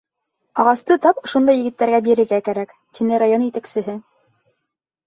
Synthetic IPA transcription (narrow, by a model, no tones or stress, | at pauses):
ɑʁɑst̪ɤt̪ɑpŏʃond̪ɑjɘ̆ɡɘ̆t̪ːæɾɡæbiɾɘ̆ɾɡækæɾæk | t̪inɘɾajonjɘ̆t̪æksɘ̆ɦɘ